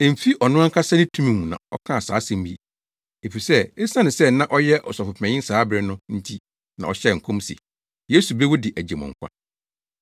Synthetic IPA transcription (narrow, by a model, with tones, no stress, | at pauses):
ɛ̃˨m̩˨fi˦ʔɔ˨nʊ̃˦a˦ŋ̩˦kʰa˦sa˦nɪ̃˦tʰũ˦mĩ˨mũ˨nã̰˨ɔ̰˦kʰã˦a˨sa̰ː˨˦sɛ̃˨m˦i˦ | e˨fi˨sɛ˦e˦sã˦nɪ̃˨sɛ˦nã˦ʔɔ˦jɛ˦ʔɔ˨sɔ˨fʊ˨pʰɛ̃˨ɲɪ̃˦n̩˦saː˨˦bɾɪ˦nʊ̃˦n̩˦tʰi˦ | nã̰˨ɔ˨ɕɛ˦˨ŋ̩˨kʰɔ̃˦msḭ˨ | jeː˦su˨bɾe˦wɔ˦dɪ˨ʔæ˨d͡ʑe˨mɔ̰̃˨ŋ˨kʷʰã̰˦